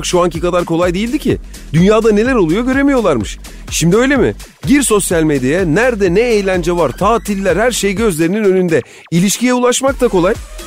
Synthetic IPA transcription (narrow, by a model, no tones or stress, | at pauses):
kʃuaŋcikad̪aɾkʰo̞lˠajd̪e̞jilʲd̪icʰɪ̰ | d̪̥ynjaːd̪ane̞lʲæɾo̞lˠujo̞ɟø̞ɾe̞mijo̞lˠaɾmɯʃ | ʃimd̪iø̞jlʲe̞mɪ | ɟiɾso̞sjalʲmed̪jajɛnæɾd̪ɛnɛejlʲænd͡ʒɛvaɾt̪ʰaːt̪ʰilʲːæɾhæɾʃe̞jɟø̞zlʲe̞ɾininø̞nynd̪ɛ | ilʲiʃcijɛulˠaʃmak̚t̪ʰako̞lˠaj